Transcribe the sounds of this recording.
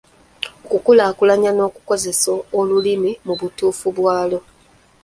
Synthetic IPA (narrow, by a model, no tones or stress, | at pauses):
okukulaːkulaɲano̞ːku̥ko̞ze̞soolulimimuβutuːfuβwaːlo̞